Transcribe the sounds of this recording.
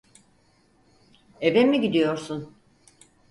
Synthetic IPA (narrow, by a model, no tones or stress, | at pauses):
ebemiɟid̪ijo̞ɾsun